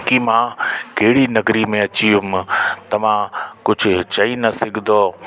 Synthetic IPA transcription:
kimãːkeːɽinɐɡɾimẽɐt͡ɕijʊmt̪ɐʋ̤ãkʊd͡ʑʱʊt͡ɕɐinɐsɪɡʱd̪oː

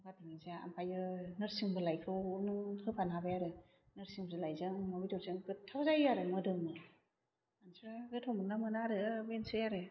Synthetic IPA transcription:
kʰatiŋizaa̰mpʰajɯnɯɾsiŋbɯlajkʰɯwnɯŋhɯpʰanabajaɾɯ | nɯɾsiŋbzɯlajzɯŋmɔbitɔɾsɯŋɡɯtʰːawzajaɾɯmɯdɯŋmɯ | ansiɾaɡɯtʰɔmɯnamɯnaɾɯbensɯjaɾɯ

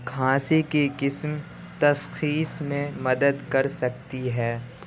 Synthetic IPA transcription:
kʰãːsekekɪsm | t̪ɐsxiːsmẽmɐd̪əd̪kɐɾsɐk̚t̪iɦɛː

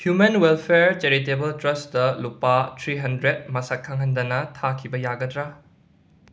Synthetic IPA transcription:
hjumenwelpʰeɾt͡ʃeɾitebɐltɾɐsdɐlupatʰɾiɦɐndɾet̚mɐsɐkkʰːɐŋɦɐndɐnɐtʰakʰibɐjaɡɐdɾa

